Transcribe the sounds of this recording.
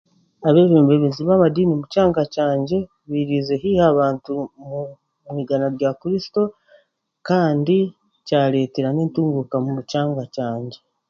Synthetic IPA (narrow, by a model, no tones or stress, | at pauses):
aβe̞ːβeːmbe̞βeziβamadiːnimucaːŋɡacaːɲɟe̞ | βiɾize̞ɦihaβaːntumu | muiɡanaɾɟakɾisi̥to̞ | kaːndi | caːɾe̞ːteɾaneːntuːŋɡukamumut͡ʃaːŋɡacaːɲɟe̞